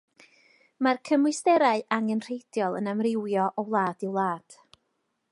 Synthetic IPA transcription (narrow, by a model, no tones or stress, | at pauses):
markʰəmwɨstɛɾaɨʔaŋənr̥ejd̥jɔlˠə̰namrɪwjɔʔɔwlˠaːd̥ɪwlˠaːd̥